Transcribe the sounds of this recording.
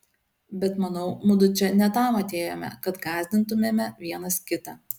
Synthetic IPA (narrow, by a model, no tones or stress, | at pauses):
bʲɛt̪mɐnɐʊmʊd̪ʊt͡ʃʲɛnʲɛt̪ɑˑmɐt̪ʲeːjoːmʲɛ̰kɐt̪ɡɑːzʲd̪ʲɪnt̪ʊmʲeːmʲɛʋʲiɛnɐskʲɪt̪ɑː